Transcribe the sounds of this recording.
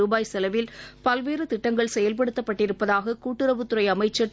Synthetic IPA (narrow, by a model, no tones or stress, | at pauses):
uːbaːjsɛlɐʋɪlpɐlʋeːrɯt̪ɪʈːɐŋɡɐɭsɛjɐlpɐɽɯt̪ːɐpːɐʈːɪɾɯpːɐðaːɣɐkuːʈːɪɾɐʋɯt̪ːʊɾɐɪɐmɐɪt͡ʃːɐ